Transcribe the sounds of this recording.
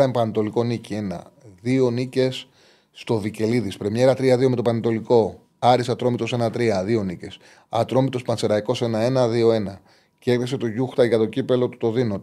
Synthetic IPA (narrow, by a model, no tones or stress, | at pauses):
ɐmpɐnet̪o̞liko̞nicie̞nɐ̰ðio̞nice̞sː | t̪o̞vice̞liðispɾe̞me̞ɾɐt̪ɾiɐðio̞me̞t̪opɐnit̪o̞liko̞ | ɐɾisɐt̪ɾo̞mit̪o̞se̞nɐt̪ɾiɐðio̞nice̞s | ɐt̪ɾo̞mit̪o̞spɐnse̞ɾɐiko̞se̞nɐe̞nɐðio̞e̞nɐ | cekðise̞t̪o̞ʝuxt̪ɐʝɐt̪o̞cipe̞lo̞t̪u̥t̪o̞ðino̞t̪